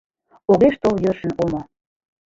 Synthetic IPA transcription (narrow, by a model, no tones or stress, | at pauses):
oɣeʃt̪oljørʃə̆nomo